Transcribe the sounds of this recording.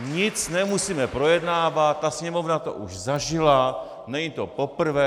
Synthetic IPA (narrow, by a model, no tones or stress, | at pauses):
ɲɪt͡snɛmusiːmɛpɾo̞jɛdnaːvat̪̚ːasɲɛmo̞vnat̪o̰ʔuʃzaʒɪla | nɛɲit̪o̞po̞pr̩vɛː